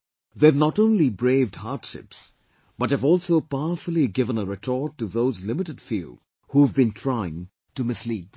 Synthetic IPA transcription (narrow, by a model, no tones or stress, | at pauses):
ðeɨvnɔtõʊ̃nlibɹeɪvdhaɾtʃɪ̰ps | b̥ʌt̚hɨvɔlˠsoʊpaʊəfəl̩ˠiɡɪvə̃nəɾɪtʰɔɹtːuðoʊzlɪmɪtɨdfjṵ | huəvbɨ̃ntʰɹ̥aɪɪ̃ŋ | tɨmɪsliːd̪̚